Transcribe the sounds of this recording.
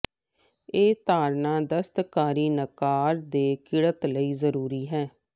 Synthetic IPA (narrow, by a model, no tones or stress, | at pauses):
eːt̪aːɾnãːd̪əst̪kaːɾiːnəkaːɾd̪eːkɪɽət̪ləiːzəɾuːɾiːɦɛː